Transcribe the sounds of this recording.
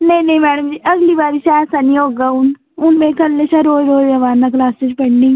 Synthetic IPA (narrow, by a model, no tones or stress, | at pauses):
nɐɦĩnɐɦĩmɛːɽəmd͡ʒiːʔɐɡlibaːɾiʃaːsɐnĩoːɡaʊn | ʊnmẽkɐlːeʃaɾoːɾoːd͡ʒɐʋaːnak̬laːsed͡ʒpɐɳɖɪ̃ŋ